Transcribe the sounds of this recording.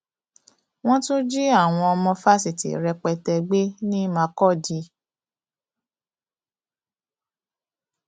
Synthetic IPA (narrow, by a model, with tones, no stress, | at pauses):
w̃ɔ̃˦tũ˦d͡ʒi˦a˦˨w̃ɔ̃˧ɔ˧mɔ̃˧fa˦si˨tḭ˨ɾɛ˧k͡pɛ˧tɛ˧ɡ͡be˦nĩ˦mã˧kɔ˦˨di˧˦